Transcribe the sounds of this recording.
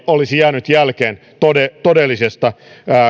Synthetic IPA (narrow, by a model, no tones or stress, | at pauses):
olisijæːnyt̪jælkeːn | t̪oet̪odelːisest̪ɑː